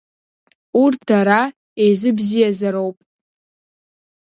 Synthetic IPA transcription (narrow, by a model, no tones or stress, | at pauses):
urdʰaɾa | ejzɨbzijazaɾo̞wpʼ